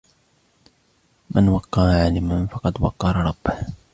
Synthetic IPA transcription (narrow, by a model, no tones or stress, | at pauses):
mʔanwɑqːɑːʕaːlɪmanfɑqɑd̪wɑ̰qːɑɾˤɾˤɑbːh